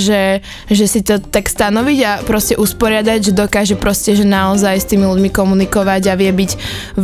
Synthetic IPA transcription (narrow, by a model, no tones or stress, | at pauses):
ʒɛ | ʒɛsit̪ɔt̪akst̪anɔʋiɟapɾɔscɛʔuspɔɾɪad̪aɟʒɛd̪ɔkaːʒɛpɾɔscɛʒɛnaɔzajst̪iːmiluɟmikɔmunikɔʋaɟaʋɪɛbiɟ